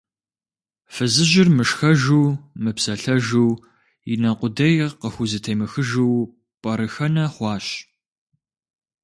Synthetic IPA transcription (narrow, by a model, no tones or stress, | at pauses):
fɨzɨʒɪrmɨʂxɐʒuːmɨpsɐɬɐʒuː | ɪnɐqʷʊdɐjqəxʷʊzɨtʰejmɐxɨʒuw | pʼɐɾɨxɐnɐχʷɑːɕ